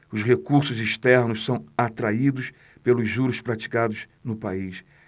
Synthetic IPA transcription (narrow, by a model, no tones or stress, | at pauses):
ʊshekuɾsʊziʃt̪ɛɾnʊssɐ̃w̃at̪ɾaid̪ʊs | pelʊzʒuɾʊspɾat͡ʃi̥kad̪ʊz | nʊpais